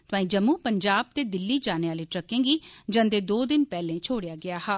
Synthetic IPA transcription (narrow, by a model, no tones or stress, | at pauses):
t̪ʊãːĩːd͡ʒəmːuːpəɲd͡ʒaːb̚t̪eːd̪ɪlːiːd͡ʒaːneːaːliːʈɾəkẽːɡiːd͡ʒə̃nd̪eːd̪oːd̪ɪnpɛːlẽːt͡ʃʰoːɽejaːɡɪaːhaː